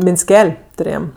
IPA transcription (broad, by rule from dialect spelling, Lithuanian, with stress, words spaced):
mʲɪnʲsʲˈkʲɛlʲ tʊˈrʲeːjɛm